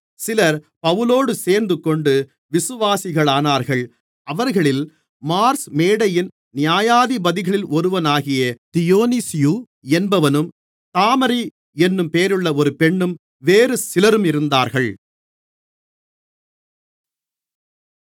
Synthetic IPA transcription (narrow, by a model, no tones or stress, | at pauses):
sɪlɐɾ | pɐʋɯloːɽɯseːɾnd̪ɯkːɔɳɖɯ | ʋɪsɯʋaːsɪɣɐɭaːnaːɾɣɐɭ | ɐʋɐɾɣɐɭɪl | maːɾsmeːɽɐjɪn | nɪjaːjaːðibɐðɪɣɐɭɪlʔɔɾɯʋɐnaːɣɪjɐt̪ɪjoːnisɪju | ɛnbɐʋɐnɯm | t̪aːmɐɾi | ɛnːɯmpeːɾɯɭːɐɔɾɯpɛɳːɯm | ʋeːɾɯsɪlɐɾɯmɪɾɯnd̪aːɾɣɐɭ